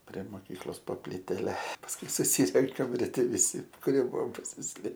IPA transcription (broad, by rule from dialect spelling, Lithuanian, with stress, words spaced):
pʲrʲɛ ˈmoːkʲiːklˠoːs poː pʲlʲɪˈtʲæːlʲɛ pɐsˈkʊɪ sʊˈsʲiːrʲɛŋkɐm rʲɪˈtʲɛ ʋʲɪˈsʲɪ kʊˈrʲiɛ ˈbʊʋoːm pɐsʲɪsʲˈlʲeː